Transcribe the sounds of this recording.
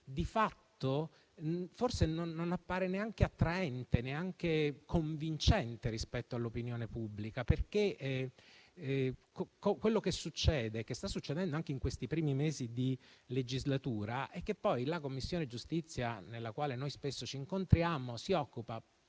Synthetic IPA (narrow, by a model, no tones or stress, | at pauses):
d̪ifat̪ːo | forsenoːonapːaːɾeneaŋk̟eat̪ːɾaɛnt̪eneaŋk̟ekʰoɱvint͡ʃɛnt̪eɾispɛt̪ːoalːopinjoːnepubːlikaperke | kokokːwelːokesːut͡ʃːɛːd̪ekest̪asːut͡ʃːed̪ɛnd̪oaŋk̟eiŋkwest̪ipɾiːmimeːzid̪iled͡ʒizlat̪uːɾaʔɛkːepːɔjlakomːisːjoːned͡ʒust̪it̪sːja̰nelːakwaːlenojspesːot͡ʃiːŋkont̪ɾjaːmosiɔkːupa